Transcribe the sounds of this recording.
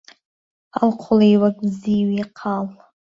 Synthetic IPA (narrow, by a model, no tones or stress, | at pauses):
alqʷʰʊlejwakʼbziwiqʰal